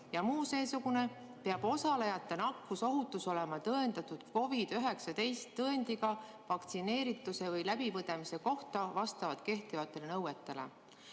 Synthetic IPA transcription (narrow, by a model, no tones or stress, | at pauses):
jɑmuːse̞ːsuɡ̥une̞ | peɑb̥o̞sɑle̞jɑt̪ːˑe̞nɑkːuso̞ɦut̪ːˑuso̞le̞mɑt̪ɤend̪ɑt̪ud̪̥ko̞vid̪̥yɦe̞ksɑd̪e̞jst̪ːɤend̪̥iɡ̥ɑ | vɑkt̪sine̞ːɾit̪ːˑuse̞vɤjlæbivɤd̪emise̞ko̞ht̪ɑvɑst̪ɑvɑt̪ke̞ht̪ivɑt̪ːˑe̞lenɤwe̞t̪ːe̞le̞̰